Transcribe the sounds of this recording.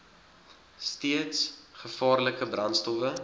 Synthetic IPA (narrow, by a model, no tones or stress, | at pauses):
stiətsχəfɑːrləkəbrɐntstɔfə